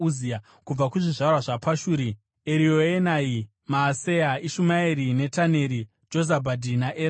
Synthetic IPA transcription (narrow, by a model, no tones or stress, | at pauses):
zia | kub͡vakuʐiʐaurwaʐapaʃuːɾi | eɾioenai | maːsejaiʃumaeɾine̞tane̞ɾi | d͡ʒo̞zabʱadʱinaʔe